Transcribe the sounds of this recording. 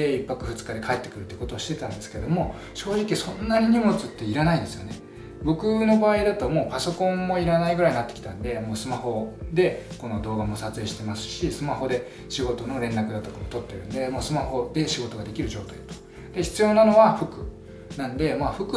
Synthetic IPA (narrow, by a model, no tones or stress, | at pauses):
e̞ipːakɯ̟ɸɯt͡sɨ̥kad̪e̞kʰae̞t̪ːe̞kɯ̟ɾɯt̪ːi̟kot̪oːɕi̥t̪e̞t̪ãnd̪e̞sɨ̥ke̞d̪o̞mo̞ | ɕo̞ːʑikʲisõ̞nːaɲ̟iɲ̟imo̞t͡sɨt̪ːe̞iɾanaind̪e̞sɨjo̞̰ne̞ | bo̞kɯ̟no̞baːid̪at̪o̞mo̞ːpaso̞kõ̞mːo̞iɾanaiɡɯ̟ɾaiɲinat̪ːekʲi̥t̪ãnd̪e̞mo̞ːsɨmaho̞d̪e̞ko̞no̞d̪o̞ːɡamo̞sat͡sɨe̞ːɕi̥t̪e̞masɨ̥ɕisɨmaɦo̞d̪e̞ | ɕiɡo̞t̪o̞no̞ɾẽ̞nɾakɯ̟d̪at̪o̞kamot̪o̞t̪ːe̞ɾɯ̟̰̃nd̪e̞mo̞ːsɨmaho̞d̪e̞ɕiɡo̞t̪o̞ɡad̪e̞kʲiɾɯ̟ʑo̞ːt̪aid̪ḁt̪o̥ | d̪̥e̞çi̥t͡sɨjo̞ːnano̞βaɸɯ̟kɯ̟ | nãnd̪e̞maɸɯ̟kɯ